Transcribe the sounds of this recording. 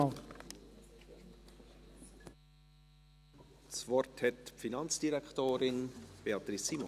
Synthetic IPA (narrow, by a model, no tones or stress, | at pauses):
svɔrthɛtpfinɑnt͡sd̥iɾɛktoːɾɪnb̥eɑt̪ɾisːimɔ